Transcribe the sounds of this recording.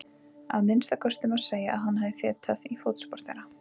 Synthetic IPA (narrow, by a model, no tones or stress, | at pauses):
a̰ðmɪnst̪akʰœst̪ʏmaseːjaʔa̰ðhanːhavðɪθɛːt̪ʰaðifowt̪spɔɾ̥t̪ɛɾa